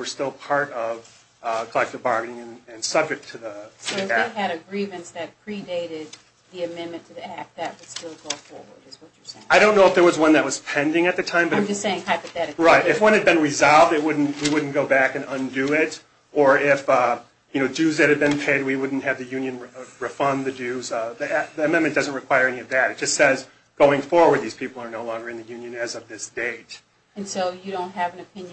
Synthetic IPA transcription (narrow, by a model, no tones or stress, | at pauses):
wə˞stɪlˠpʰɑɹɾʌv | kʰəlɛk̚tɨbɑɹɡɨnɪ̃ŋɨ̃nɨ̃nsʌb̚d͡ʒɨk̚tʰɨðəɨðiæɨɾɨɡɹivɨ̃ntsðɨt̚pʰɹ̥ideɪɾɪd̪̚ | ðiɨmɛ̃nmɨ̃ntʰɨðiæk̚ðɨt̚wəd̥stɪlˠɡoʊfɔɹwə̰˞dɨzwʌt͡ʃə˞seaɪɾõʊ̃nːoʊəfðə˞wʌzwʌ̃nðɨt̚wʌz̥pʰɛ̃ndɪ̃ŋɨt̪̚ðɨtʰãɪ̃mbʌɾ̃md͡ʒʌsseɪɪ̃ŋhaɪpɨθɛɾɨkɹaɪtɨfwʌ̃nɨd̚bɨ̃nɹizɑlˠvdɨt̚wʊdⁿn̩twiwʊdⁿn̩ɡ̥oʊbækɨ̃nʌ̃ndʉɪɾ | ə˞ɪfʌ | jɨñoʊdʉzðɨt̚hɨd̚bɨ̃npʰeɪd̚wiwʊdⁿn̩t̚hɨvðɨjʉ̃njɨ̃nɹɨfʌ̃nðɨdʉzðiðiɨmɛ̃nmɨ̃nd̥ʌzn̩t̚ɹɨkʰw̥aɪə˞ɛniʌvðɨɾɨt̚d̥ʒ̥ʌstsɛz | ɡ̥oʊɪ̃ŋfɔɹwə˞d̪̚ðiz̥pʰipl̩ˠə˞noʊlɔ̃ŋɡə˞ɨ̃nðɨjʉ̃njɨ̃nɨzʌvðɪsd̥eɪt̚ | ɨ̃nsoʊjɨɾõʊ̃nt̚ɦɨṽnɨp̚ʰɪ̃nj